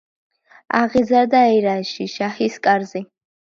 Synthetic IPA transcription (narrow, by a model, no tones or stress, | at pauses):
aʁizaɾd̪aːjɾaʃiʃahiskʼarzi